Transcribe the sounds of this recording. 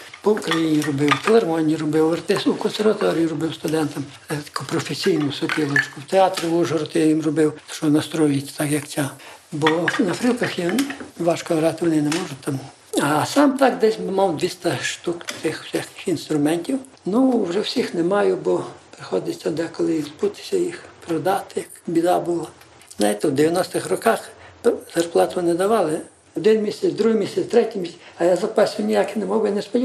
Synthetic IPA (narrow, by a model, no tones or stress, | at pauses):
pɔwʊkɾɐjinʲirɔbɪwfelˠermɔnʲirɔbɪwɐrt̪ɪsʊkɔnseɾʋɐt̪ɔɾʲijirɔbɪwst̪ʊd̪ɛnt̪ɐm | t̪ʲkʊpɾɔfesʲijnʊsʊpʲilˠɔt͡ʃkʊwt̪eɑt̪ɾɪbuʒɔɾɔt̪ɪjʋimrɔbɪwt͡ʃɔnɐst̪ɾɔjʊjɪt͡sʲːt̪ɑkjɐkt͡sʲabɔnɐfɾilˠkɐxjiʋɑʃkɔʋɾɑt̪ɪʋɔnɪnɛmɔʒʊt̪ːɐm | ɐsɑmt̪ɑkd̪ɛsʲbmɑwd̪ʲʋʲist̪ɐʃt̪ukt̪ɪxsʲɛxkɪ̥xinst̪ɾʊmɛnʲtʲiw | nuwʒɛwsʲixnɛmɑjʊbɔpɾɪxɔd̪ɪt͡sʲsʲɐd̪ɛkɔlˠɪizbut̪ɪ̥sʲɐjixpɾɔd̪ɑt̪ɪjɐkbʲid̪ɑbulˠɐ | znajt̪ɛwd̪eʋʲjɐnɔst̪ɪxrɔkɑxzɐrplˠɑt̪ʊʋɔnɪd̪ɐʋɑlˠɪ | ɔd̪ɪnmʲisʲɛt͡sʲd̪ɾuɦɪmʲisʲɛt͡s̪ʲt̪ɾɛtʲimʲisʲɐjazɐpɑsʲʊnʲijakɪnɛmɔbjnɛspɔdʲi